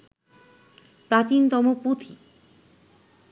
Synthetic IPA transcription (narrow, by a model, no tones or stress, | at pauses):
pɾat͡ɕint̪ɔmuput̪ʰi